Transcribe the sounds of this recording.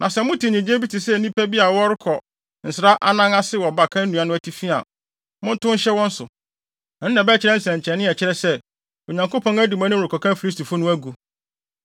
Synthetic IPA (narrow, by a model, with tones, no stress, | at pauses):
nʔã˨sɛ˦mʊ̃˦tʰi˨ɲĩ˨d͡ʑẽ˦bi˦tʰɪ˨sɛ˦˨nĩ˦pʰæ˦bi˦a˨wɔ˦ɾɪ˦kʰɔ˨ | n̩˨sɪ˨ɾa˦ʔa˦nã˦ŋa˦sɪ˦wɔ˨ba˨kʰã˦n˦nũ˨a˨nʊ̃˦æ˦tʰi˦fi˦a̰˨ | mʊ̃˦n̩˦tʊ̃˦n̩˦ɕɛ˦wɔ̃˦n̩˦sʊ˨ | n˦nã˨bɛ˦t͡ɕʰɪ˦ɾɛ˦n̩˦sɛ̃˨ɲ˨t͡ɕʰɾɛ˨nɪ̃˦ɛ˨t͡ɕʰɪ˦ɾɛ˦sɛ˦ | o˨ɲã˨ŋko˦pʰɔ̃˦ŋæ˦du˨mã˦nʊ̃˦˨ɾʊ˨kʰɔ˨kʰã˦m˦fi˨li˦stʰi˨fʊ˦nʊ̃˦æ˦ɡu˨